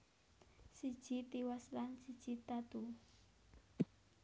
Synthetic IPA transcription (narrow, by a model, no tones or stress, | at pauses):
sid̥ʒ̥it̪iwaslansid̥ʒ̥it̪at̪u